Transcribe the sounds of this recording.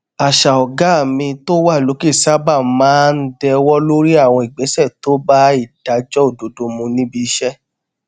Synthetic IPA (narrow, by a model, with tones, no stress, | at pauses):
a˨ʃa˨ɔ˨ɡa˨˦˨mĩ˧to˦wa˦˨lo˨˦ke˦˨sa˦ba˦˨mãː˦n̩˦dɛ˧wɔ˦lo˦ɾi˦a˦˨w̃ɔ̃˧i˨ɡ͡be˨˦sɛ˦˨to˦ba˦i˦˨d̥a˨˦d͡ʒɔ˦o˦˨do˨do˧mũ˧nĩ˦bi˧ʃɛ˦